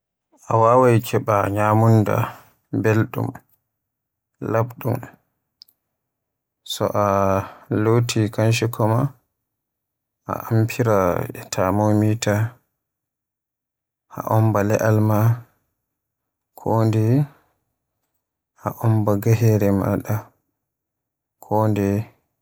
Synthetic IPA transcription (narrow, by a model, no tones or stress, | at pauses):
ʔa̰wawajkʰɛɓaɲamunda̰ | belɗṵm | labɗṵm | sɔ̰ʔa | lotʰikanʃ̬ikʰɔma | ʔa̰ʔampʰiɾaɛ̰tʰamomita | ʔa̰ʔɔmbalɛʔalma | kʰoːndɛ | ʔaʔɔmbaɡaɦɛɾɛma̰ɗa | kʰoːndɛ